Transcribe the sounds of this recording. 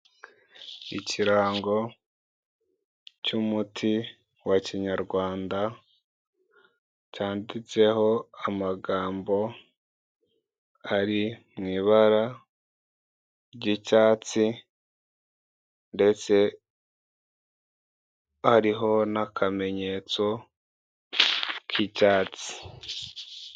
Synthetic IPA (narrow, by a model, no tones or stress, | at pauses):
iciɾaːŋɡo̞ | cumutʰi | waciɲaɾɡwaːnda | caːndit͡se̞ɦo̞amaɡaːmbo̞ | aɾimŋiːβaɾa | ɾɟicaːt͡si | nde̞t͡se̞ | haɾiɦo̞nakʰame̞ɲe̞ːt͡so̞ | kʰicaːt͡si̥